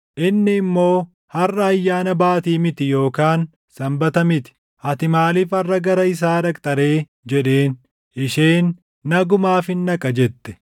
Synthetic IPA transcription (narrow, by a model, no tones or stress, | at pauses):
ʔɪnːɪːmːo̞ː | hɐrːɐːjːaːnɐbaːt̪iːmɪt̪ɪjo̞ːkaːn | sɐmbɐt̪ɐmɪt̪ɪ̥ | ʔɐt̪ɪmaːliːfɐrːɐɡɐɾɐɪs̬aːdɐkʼt̪ʼɐɾe̞ː | d͡ʒɛᶑe̞ːn | ɪʃe̞ːnː | ɐɡʊmaːfɪnːɐkʼɐd͡ʒɛt̪ːɛ̥